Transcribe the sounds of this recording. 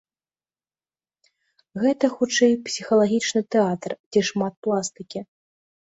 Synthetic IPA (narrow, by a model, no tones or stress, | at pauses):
ɣɛt̪ɐxut͡ʂɛjpsʲixɐlˠaɣʲit͡ʂnɨt̪ɛat̪rd͡zʲɛʂmat̪̚plˠast̪ɨkʲi